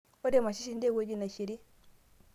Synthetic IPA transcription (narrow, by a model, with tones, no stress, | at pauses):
o˦de˦˨ma˨ʃi˦ʃi˦nde˦ɡo˦˨d͡ʒi˦na˨ʃi˨ɾi˦